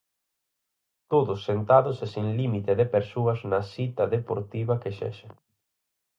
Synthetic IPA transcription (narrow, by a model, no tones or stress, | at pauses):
t̪oðʊsːent̪aðʊsesiŋlimit̪eðepeɾsuɐznɐsit̪ɐðepo̰ɾt̪iβɐkeʃɛ̰ʃɪ